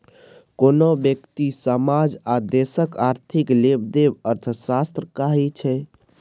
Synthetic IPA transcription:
konobjəkt̪isəmad͡ʒad̪esəkaɾt̪ʰiklebd̪ebəɾt̪ʰəsast̪ɾəkaɦit͡ʃʰɛ

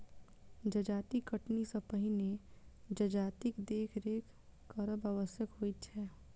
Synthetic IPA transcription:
d͡ʒɐd͡ʒaːt̪ikəʈnisɐpəɦined͡ʒɐd͡ʒaːt̪ikd̪eːkʰɾeːkː | əɾəbaʋəsjəkɦoːit͡ʃʰɛː

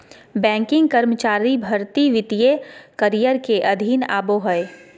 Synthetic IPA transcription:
bɛ̃ːŋkɪ̃ŋɡ̚kɐɾmət͡ʃaːɾibʱɐɾt̪iʋɪt̪ijekɐɾijəɾkeʔɐd̪ʱiːna̰ːboɦəe

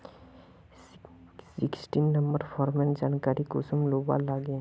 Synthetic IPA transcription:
sɪksʈinːəmbəɾpʰɔːɾmẽnd͡ʒaːnkaːɾikʊsumloːba̰ːlːaːɡe

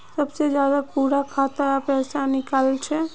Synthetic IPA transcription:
səbsed͡ʒjaːd̪akuɽakʰat̪əɾpɛːsanɪkalt͡ʃʰɛ

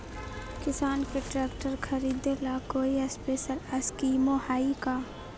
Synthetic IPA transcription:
kɪsaːnkeʈɾeːkʈəɾkʰɐɾiːd̪elakoːiɐspeːʃəlɐskiːmohaːikaː

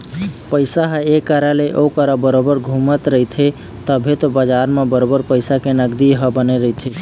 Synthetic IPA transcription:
pəjsaɦəekaɾaleʔokəɾəbəɾobəɾɡʱumət̪ɾəɦit̪ʰe | t̪əbʱet̪ɔbəd͡ʒaɾmebəɾobəɾpəjsakenəɡd̪iɦəbəneɾəɦit̪ʰe

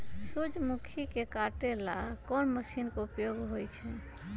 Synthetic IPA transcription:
sud͡ʒʱmukʰikekaʈela̰kɔnməsinkeupjoɡɦojt͡ʃʰɛ

